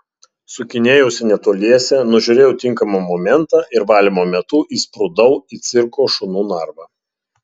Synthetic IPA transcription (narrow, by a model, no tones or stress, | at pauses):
sʊkʲɪnʲeːjɛʊsʲɪnʲɛt̪oːlʲiɛsʲɛnʊʒʲʊɾʲeːjɛʊt̪ʲɪŋˑkɐmɑmɔmʲɛnt̪ɑːʔɪɾʋɑːlʲimoːmʲɛt̪ʊʔiːspɾʊd̪ɐʊiːt̪sʲɪɾkoːʃʊnuːnɑˑɾʋɑː